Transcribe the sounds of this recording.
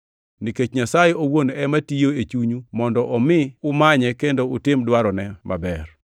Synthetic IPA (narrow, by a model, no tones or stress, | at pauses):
niket͡ʃɲasajeowonɛmatijoet͡ʃuɲumɔndɔʔɔmɪʊmaɲɛkendoʊtɪmdwaɾɔnɛmʔa̰bɛr